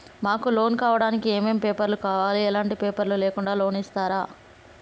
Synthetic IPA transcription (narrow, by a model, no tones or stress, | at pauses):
maːkulo̞ːnkaːʋɐɽaːnikieːmeːmpeːpɐɾlukaːʋaːliɛlaːɳʈipeːpɐɾluleːkuɳɖaːlo̞ːnist̪aːɾaː